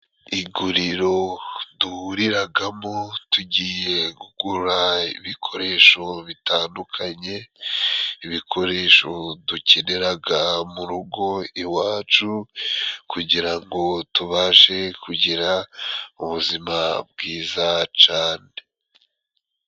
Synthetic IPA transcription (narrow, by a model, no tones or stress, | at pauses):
iɡuɾiɾo̞duhɾiɾaɡamotuɟiːje̞ɡuɡ̥uɾaḭβikʰo̞ɾe̞ːʃo̞βitaːndukʰaɲe̞ | iβikʰo̞ɾe̞ːʃo̞duce̞ne̞ɾaɡamuɾuɡo̞iwaːt͡ʃu | kuɟiɾaŋɡo̞tuβaʃe̞kʰuɟiɾauβuzimab̚ɡiːzat͡ʃaːne̞